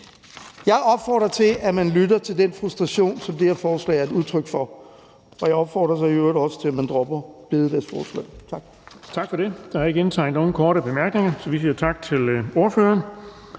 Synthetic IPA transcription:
jɑ̈ɪʔɒ̽b̥fɒ̰ːd̥ʁɐt͡sʰe̝læmænlyɾɐt͡sʰe̝ld̥enfʁusd̥ʁɑ̈ɕo̝̰ːnsɒ̽md̥ehæɐfɒːslɛ̰ɪɐeduðˠt͡sʰʁœɡ̥fɒ̽ | ɒ̽jɑɪɒ̽b̥fɒ̰ːd̥ʁɐsɑ̈ɪøɐðˠɒ̽sə̥t͡sʰe̝læmænd̥ʁɔb̥ɐb̥e̝ðˠəd̥æɐsfɒːslɛ̰ɪt͡sʰɑ̈ɡ̥ | t͡sʰɑ̈ɡ̥fɒɾ̥e̝d̥ɑ̈hɑe̝ɡe̝nt͡sʰɑ̈ɪnd̥no̝ːn̩kʰɒːɾəb̥e̝mæɐɡ̥ne̝ŋɐsɒ̽ʋisiːɐt͡sʰɑ̈ɡ̥̚t͡sʰe̝lo̝ɐføːɐn

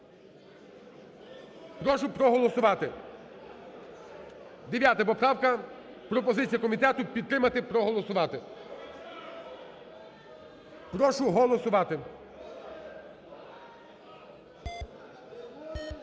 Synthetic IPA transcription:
pɾɔʃʊpɾɔɦɔlˠɔsʊʋɑt̪ɪ | d̪eʋʲjat̪ɐp̬ɔpɾɑwkɐ | pɾɔpɔzɪt͡sʲijɐkɔmʲit̪ɛt̪ʊpʲid̪t̪ːɾɪmɐt̪ɪpɾɔɦɔlˠɔsʊʋɑt̪ɪ | pɾɔʃʊɦɔlˠɔsʊʋɑt̪ɪ

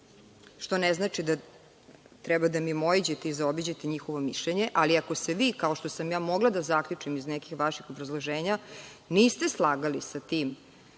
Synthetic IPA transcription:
ʃt̪o̞nɛznaːt͡ʃid̪a | t̪ɾɛbad̪amimoid͡ʑet̪eizaobid͡ʑet̪eɲixo̞ʋo̞miʃʎeɲe̞ʔaliako̞seʋiːkao̞ʃt̪osamjaːmo̞ɡlˠad̪azakʎʲut͡ʂimiznɛkixʋaʃixobɾazlˠoʒeːɲaniːst̪eslˠaːɡalisat̪iːm

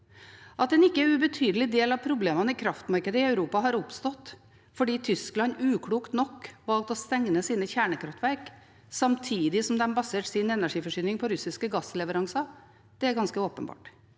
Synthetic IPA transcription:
ʔɑt̪̚d̪ɛnɪkːəæɾʉbət̪ʰyːd̪əlɪd̪eːlɑʋpʰɾʊbleːmɑnəɪkʰɾɑft̪mɑɾkəd̪əɪœʉɾuːpɑɦɑɾʊpst̪ɔt̪ː | fɔɖiːt̪ʰʏsklɑnʉːkʰɽuːkt̪nɔkːʋɑlt̪ɔst̪ɛŋnəsiːnəçæːɳəkʰɾɑft̪ʋæɾk | sɑmt̪ʰiːd̪ɪsɔmd̪ɛmbɑseːʈsɪnɛnæʂiːfɔʂyːnɪŋpʰɔɾʉsɪskəɡɑsːlɛʋəɾɑŋsɑ | d̪̥ɛæɾɡɑnskəoːpənbɑ̰ːʈ

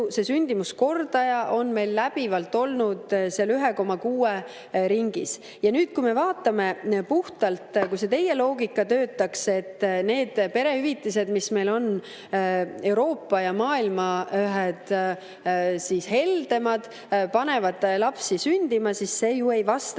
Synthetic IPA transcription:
se̞synʲd̪imusko̞rd̪ɑjɑʔo̞nme̞jlːæb̥ivɑlt̪ːˑo̞lnud̪̥seɑlyɦeko̞mɑkuːe | ɾiŋɡ̥ḭs | jɑnyːd̪̥̚kujme̞vɑːt̪ːˑɑme̞puht̪ɑlt̪kujse̞t̪e̞je̞lo̞ːɡikːˑɑt̪øːt̪ːˑɑkse̞t̪ːne̞ːd̪̥pe̞ɾe̞hyvit̪ːˑis̬e̞d̪̥misme̞jlo̞n | e̞wɾo̞ːpːɑjɑmɑːilmɑøɦed̪̥ | sishe̞ld̪̥e̞mɑd̪̥ | pɑne̞vɑd̪lɑpsisynʲd̪̥imɑsisːe̞ːjue̞jvɑst̪

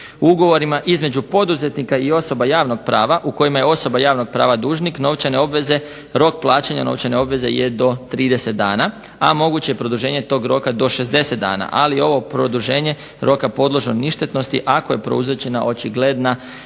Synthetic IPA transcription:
uuɡo̞ʋo̞ɾimaʔizme̞d͡ʑupo̞d̪uze̞t̪nikaio̞so̞bajaːʋno̞ɡ̥̚pɾaːʋaʔuko̞jimajeo̞so̞bajaːʋno̞ɡ̚pɾa̰ːʋad̪uːʒnikno̞ʋt͡ʃaneo̞bʋeze | ɾo̞k̚plˠaːt͡ɕaɲa̰no̞̰ʋt͡ʃaneo̞bʋe̞ze̞̰jed̪o̞t̪ɾiːd̪e̞se̞t̪̚d̪a̰ːna | amo̞ɡut͡ɕejepɾo̞d̪uʒe̞ːɲe̞t̪o̞ːɡɾo̞kad̪o̞ʃe̞zd̪e̞se̞t̪̚d̪a̰ːna̰ʔalio̞ʋo̞pɾo̞d̪uʒe̞ːɲe̞ | ɾʔo̞kapo̞d̪lˠoʒoniʃt̪e̞t̪no̞st̪iʔako̞je̞pɾouzet͡ɕe̞naʔo̞t͡ʃiɡle̞d̪na

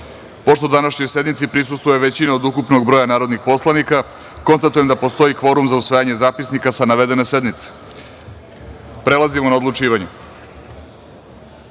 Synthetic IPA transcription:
po̞ʃt̪od̪anaʃɲojse̞d̪mit̪sipɾisust̪vʋojeʋet͡ɕinaod̪ukupnoɡbɾojanaːɾo̞d̪nixpo̞slˠanika | ko̞nst̪at̪ujemd̪apo̞st̪o̞ikʋo̞ɾumzausʋajaɲe̞zaːpisnikasanaʋed̪e̞nese̞d̪nmit̪se̥ | pɾe̞lˠazimonao̞d̪lˠut͡ʃiːʋaɲu

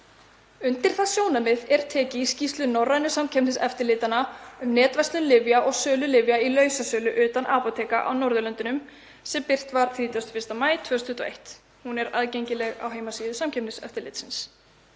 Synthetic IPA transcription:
ʏnt̪ɪɾ̥θaðsjoːwnamɪðɛɾ̥t̪ʰɛːcɪscist̪lʏnɔrːajnʏsamcʰɛpnɪnsɛft̪ɪɾlɪːt̪anaʏmnɛːt̪vɛst̪lʏnlɪvjaʔɔɣsœːlʏlɪvjailœːɥsasœːlʏʔʏːt̪anʔaːpɔt̪ʰeːjka̰ʔa̰wnɔɾðʏlœnt̪ʏnʏm | sɛmpɪr̥t̪vaɾ̥θɾiːt̪jast̪fɪ̥st̪amaːjt̪ʰvœːst̪ʰʏt̪ɔḛjht̪ | hunɛɾaðcejɲcɪlɛɣa̰wɦeːjmasiːðʏsamcʰɛpnɪsɛ̰ft̪ɪɾlɪ̰ːt̪sɪns

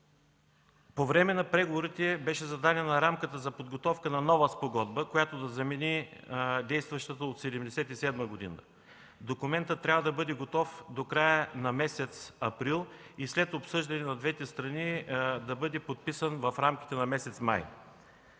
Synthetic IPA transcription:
povɾɛmɛnɐpɾɛɡovoɾit̪ɛbɛʃɛzɐd̪anʲənɐɾamkət̪əzɐpod̪ɡot̪ɔfkənɐnɔvəspoɡɔd̪bəkojat̪od̪ɐzɐmɛnid̪ɛjst̪vɐʃt̪ət̪əot̪sɛd̪ɛmd̪ɛsɛt̪isɛd̪məɡod̪ḭnə̰ | d̪okʊmɛnt̪ət̪ːɾʲavəd̪ɐbɤd̪ɛɡot̪ɔfd̪okɾajənɐmɛsɛt̪sɐpɾilˠislɛt̪opsɤʒd̪ɐnʲɛnɐd̪vɛt̪ɛst̪ɾɐnid̪ɐbɤd̪ɛpot̪̚pisənvɐfɾamkʲi̥t̪ɛnɐmɛsɛt̪sma̰j

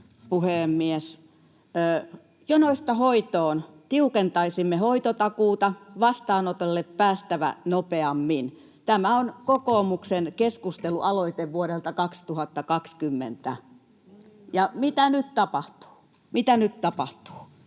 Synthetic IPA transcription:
puheˑmːies | jonoist̪ɑhoit̪oːnt̪iukent̪ɑisimːehoit̪ot̪ɑkuːt̪ɑʋɑst̪ɑːnot̪elːeppæːst̪æʋæ̰nopeɑmːin | t̪æmæonkokoːmuksenkeskust̪eluʔɑloit̪eʋʋuoɾelt̪ɑkɑkst̪uhɑt̪ːɑkɑkskymːḛnt̪æ̰ | jɑmit̪ænyt̪t̪ɑpɑht̪u̥ː | mit̪ænyt̪t̪ɑpɑht̪u̥ː

